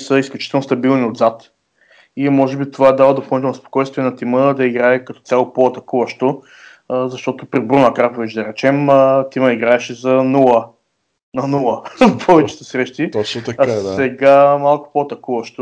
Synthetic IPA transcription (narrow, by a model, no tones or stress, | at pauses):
səisklʲut͡ʃi̥t̪ɛlˠnost̪ɐbilˠniod̪zat̪ | imɔʒɛbit̪ovad̪avɐd̪opɐlˠnit̪ɛlnspo̥kɔjst̪viɛnɐt̪iməd̪ɐiɡɾaɛkɐt̪ɔt̪sʲalˠopoɐt̪ɐkuvɐʃt̪o | zɐʃt̪ɔt̪ʊpɾibɾunɐkɾapovɛt͡ʃd̪ɐɾɛt͡ʃɛmət̪iməiɡɾaɛʃɛzɐnulˠə | nɐnulˠəpʰɔvɛt͡ʃɛ̥t̪ɛsɾɛʃt̪it̪t͡ʃt̪aɛɡamalˠkʊ̥poɐt̪ɐkuvɐʃt̪o